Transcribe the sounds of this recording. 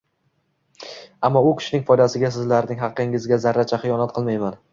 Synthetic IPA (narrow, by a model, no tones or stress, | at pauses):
amːɒʊkʲʰɪ̥ʃɪnɪŋʲfɒjd̪asɪɡʲas̬ɪzlaɾnɪŋɦɑqːɪŋɪzɡʲazaɾːat͡ʃʰaχɨjɒnat̪̚qʰɨlˠmajman